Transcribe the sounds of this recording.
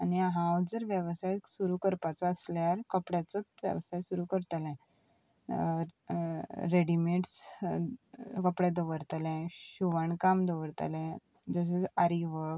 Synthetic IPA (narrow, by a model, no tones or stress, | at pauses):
aniaɦãwd͡zəɾʋjəʋsajsuɾukəɾpat͡saəsljaɾkəpɽat͡sɔt̪ʋjə̰ʋsajsuɾukəɾt̪alɛ̃ | ɾeɽimeʈs | kəpɽɛ̃d̪oʋəɾt̪alɛ̃ɕɕuʋaɳkamd̪oʋəɾt̪a̰lɛ̃ | d͡zəs̬ed͡zaɾiʋək